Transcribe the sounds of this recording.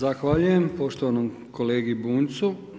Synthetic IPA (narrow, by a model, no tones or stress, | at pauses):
axʋaːʎujempo̞ʃt̪oʋanom | koleːɡibuːnt̪su